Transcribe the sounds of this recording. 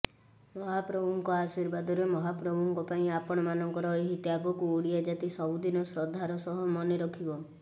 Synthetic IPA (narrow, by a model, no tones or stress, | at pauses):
mɔɦapɾɔbʱuŋkɔasiɾbad̪ɔɾemɔɦapɾɔbʱuŋkɔpaĩapɔɽ̃ɔmanɔŋkɔɾɔeɦit̪jaɡɔkuoɽiad͡ʒat̪isɔud̪inɔsɾɔd̪ʱːaɾɔsɔɦɔmɔneɾɔkʰibɔ